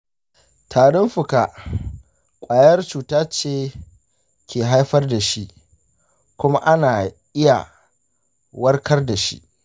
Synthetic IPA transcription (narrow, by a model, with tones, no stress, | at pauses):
tʰaː˨ɽʊ˦mɸʊ˨ka˨ | kʷʼaː˨jɐ˦rt͡ʃuː˨taː˦t͡ʃeː˦ | kʲeː˨ɦa˦jɸɐ˦rda˨ʃi˦ʔ | kʷʊ˦ma˦ʔa˦naː˨ʔɪ˦ja̰˨ | wɐ˦rkɐ˦rda˨ʃḭ˦ʔ